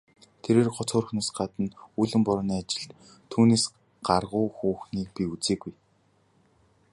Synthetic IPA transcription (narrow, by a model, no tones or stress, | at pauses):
t̪ʰeɾeːrɢɔt͡sχʊːrxnoːsɢat̪ə̆nuɮɘ̆mpʊɾɔːniːat͡ɕɪ̆ɬt̪ | t̪ʰːuːneːs | ɢ̥arʁʊːxuːxniːk̚piut͡seːɡuj